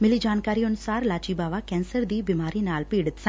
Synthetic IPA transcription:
mɪlid͡ʒaːnkaːɾionʊsaːɾlaːt͡ʃiːbaːʋakɛːnsəɾd̪iːbimaːɾiːnaːlpiːɽɨt̪sɐ̃

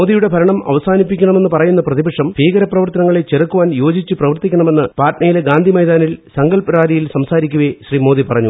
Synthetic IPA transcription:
moːd̪ijuɽe̞bʱɐɾɐɳɐmɐ̰ʋɐsaːnipːikʲːɐɳɐme̞nːɨpɐrɐjunːɐprɐðibɐkʂɐmbʰʱiːɡɐɾɐprɐʋɐrt̪ɐnɐŋːɐɭe̞t͡ɕːerɐkːuʋaːnjo̞ːd͡ʑit͡ɕːɨprɐʋɐrt̪ikʲːɐɳɐme̞nːɨpaːʈɳɐjileɡaːnd̪ʱimɐjd̪aːnilsɐŋɡɐlpɐɾaːɾijilsɐmsaːɾikʲːuʋeɕriːmo̞ːðipɐrɐɲːu

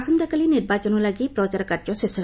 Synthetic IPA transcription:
sɔnd̪akaliniɾbat͡ʃɔnulaɡipɾɔt͡ʃaɾkaɾd͡ʒɔsesɔ

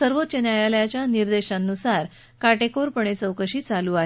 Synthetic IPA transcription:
səɾʋot̪ːt͡ɕənjajaljat͡ɕjaniɾd̪eɕãnːusaɾ | kaʈekoɾpəɳ̃et͡səwkəɕiːt͡saluːaɦ

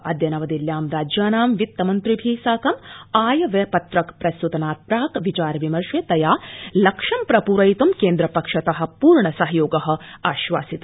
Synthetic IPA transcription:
ɐd̪jɐnɐʋɐd̪iljaːmɾaːd͡ʒjaːnaːmʋit̪ːɐmɐnt̪ɾibʱiːsaːkɐmaːjɐʋepɐt̪ɾɐkpɾɐsut̪ɐnaːt̪̚pɾaːkʋit͡ʃaːɾɐʋimɐɾʂʋeːt̪ɐjaːlɐkʂɐmpɾɐpuːɾɐjt̪umkeːnd̪ɾɐpɐkʂɐt̪ɐɦɐ̆puːɾɳɐsɐɦɐjoːɡɐɦɐ̆aːʃʋaːsit̪

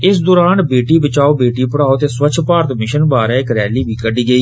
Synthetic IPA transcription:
ɪsd̪oːɾaːnbeːʈiːbət͡ʃaːoːbeːʈiːpəɽaːoːt̪eːswət͡ʃʰpaːɾt̪mɪʃənbaːɾɛːɪkɾɛːliːbʱiːkəɖiːɡəiː

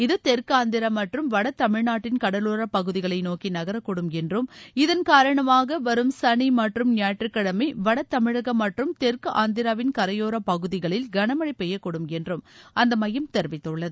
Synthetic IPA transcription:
ɪðɯt̪ɛɾkɯaːnd̪ɪɾamɐʈrɯmʋɐɽɐt̪ːɐmɪɻnaːʈːɪnkɐɽɐloːɾɐpɐɣɯðɪɣɐɭɐɪnoːkinɐɣɐɾɐkːɔɽɯmɛndrɯmɪðɐnkaːɾɐɳɐmaːɣɐʋɐɾɯmsɐɳimɐʈrɯmnjaːʈrɯkːɐɽɐmɐɪʋɐɽɐt̪ːɐmɪɻɐɣɐmːɐʈrɯmt̪ɛɾkɯʔaːnd̪ɪɾaːʋɪnkɐɾɐjoːɾɐpɐɣɯðɪɣɐɭɪlɡɐɳɐmɐɽɐɪpɛjːɐkːɔɽɯmɛndrɯmɐnd̪ɐmɐjɐmt̪ɛɾʋɪt̪ːɯɭːɐðɯ

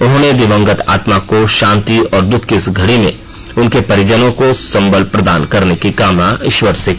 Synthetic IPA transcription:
ʊɦõːned̪ɪʋə̃ŋɡət̪a̰ːt̪makoʃãːnt̪iɔːɾd̪ʊkʰkɪsɡʱɐɽimḛ̃ | ʊnkepɐɾɪd͡ʒənõkosɐ̃mbəlpɾɐd̪aːnkɐɾnekikaːmnaɪʃwəɾsekː

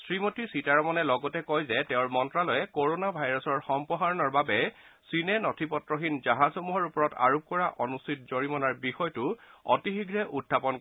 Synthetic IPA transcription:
sɹimotisitaɹɔmɔnɛlɔɡɔtɛkɔjzɛtɛʊ̃ɹmɔntɹalɔjɛkoɹonabʱajɹɔsɔɹxɔmpɔɦaɹɔnɔɹbabɛ | sinɛnɔtʰipɔtɹɔxinzaɦazhomuɦɔɹupɔɹɔta̰ɹup̚kɔɹaʔɔnustʰit̚zoɹimɔnaɹbixɔjtʊɔ̰tixiɡɹɛʔudʰʱːapɔn

